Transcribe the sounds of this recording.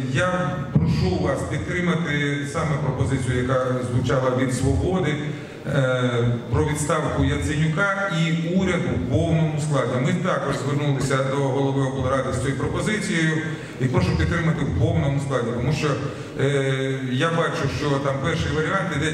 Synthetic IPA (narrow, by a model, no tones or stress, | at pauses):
ja | pɾɔʃuʋaspʲid̪̚t̪ɾɪmɐt̪ɪsɑmɛpɾɔpɔzɪt͡sʲijʊjɐkazʋʊt͡ʃɑlˠɐʋʲid̪sʋɔbɔd̪ɪ | pɾɔʋʲid̪st̪ɑwkʊjɐsɪnʲʊkaiuɾʲɐd̪ʊpɔwnɔmʊsklˠɑd̪ʲimɪt̪ɑkɔʒzʋɪrnulˠɪsʲɐd̪ɔɦɔlˠɔʋɔɦɔkɔlˠɔɾad̪ɪsʲt̪ʲɔipɾɔpɔzɪt͡sʲijojʊ | ipɾɔʃʊpʲid̪t̪ːɾɪmɐt̪ɪwpɔwnɔmʊsklˠadʲit̪ɔmuʃt͡ʃɔ | jabɑt͡ʃʊʃt͡ʃɔt̪ɑmpɛrʃɪjʋɐɾʲiant̪id̪ɛ